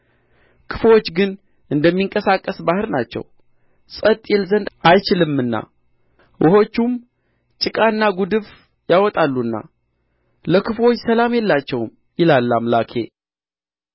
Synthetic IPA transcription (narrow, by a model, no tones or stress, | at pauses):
kʰɨ̥fwo̞t͡ʃːɡɨn | ʔɨnd̪əmːiŋkʼəsakʼːəsbahɨɾnat͡ʃːɛ̰w | sʼət̪ʼjɛlzənd̪ʔajt͡ʃɪlɨmːɨnːa̰ | wʔɔho̞t͡ʃːum | t͡ʃʼɨkʼaɨnːaɡud̪ɨβ | jawɔt̪ʼalːunːa̰ | ləkʰɨfwo̞t͡ʃːsəlamjɛlːat͡ʃːɛwm | jɪlalːamlakʰe̞̰